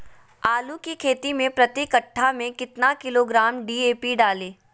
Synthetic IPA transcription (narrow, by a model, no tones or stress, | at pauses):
aːlukikʰeːt̪imẽpɾɐt̪ikəʈʰːamẽkɪt̪nakɪloːɡɾaːmɖiːeːpiɖaːleː